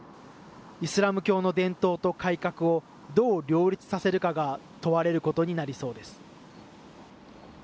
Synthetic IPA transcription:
isɨɾamɯ̟kʲo̞ːno̞d̪ẽ̞nt̪o̞ːt̪o̞kaikakɯ̟o̞ | d̪o̞ːɾʲo̞ːɾʲit͡sɨ̥sase̞ɾɯ̟kaɡat̪o̞βaɾe̞ɾɯ̟ko̞t̪o̞ɲ̟inaɾʲiso̞ːd̪e̞sɨ̥

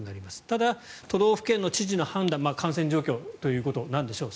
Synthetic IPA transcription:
ɲiaɾʲimasɨ̥t̪ad̪at̪o̞ɾo̞ːɸɯ̟̥kẽnːo̞t͡ɕiʑino̞hãnd̪ãmmaːkãɰ̃sẽ̞ɲ̟d͡ʑo̞ːkʲo̞ːt̪o̞jɯ̟ːko̞t̪o̞nãnd̪e̞ɕo̞ː

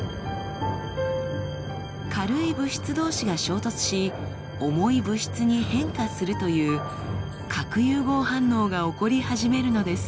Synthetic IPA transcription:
kʰaɾɯ̟ibɯ̟ɕi̥t͡sɨd̪o̞ːɕiɡaɕo̞ːt̪o̞t͡sɨ̥ɕi | o̞mo̞ibɯ̟ɕi̥t͡sɨɲ̟ihẽ̞ŋkasɨɾɯ̟t̪o̞jɯ̟ː | kʰakɯ̟jɯːɡo̞ːhãnːo̞ːɡao̞ko̞ɾʲihaʑime̞ɾɯ̟no̞d̪e̞sɨ̥

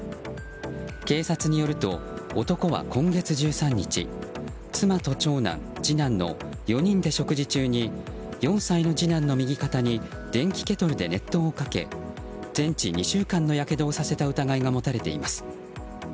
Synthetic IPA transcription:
ke̞ːsat͡sɨɲ̟ijo̞ɾɯ̟t̪o̞̰ | ot̪o̞ko̞βa̰kõ̞ŋɡe̞t͡sɨʑɨːsãɲ̟ːit͡ɕḭ | t͡sɨmat̪o̞t͡ɕo̞ːnã̰n | d͡ʑinãnːo̞̰ | jo̞ɲ̟ĩnd̪e̞ɕo̞kɯ̟ʑit͡ɕɨːɲ̟i | jõ̞ɰ̃saino̞d͡ʑinãnːo̞mʲiɡʲikat̪aɲ̟i | d̪̥ẽ̞ŋkʲi̥ke̞t̪o̞ɾɯ̟d̪e̞ne̞t̪ːo̞ːkake̞̰ | d͡zẽ̞ɲt͡ɕiɲ̟iɕɨːkãnːo̞jake̞d̪o̞ːsase̞t̪aɯ̟t̪aɡaiɡamo̞t̪aɾe̞t̪e̞̰ḭmasɨ̥

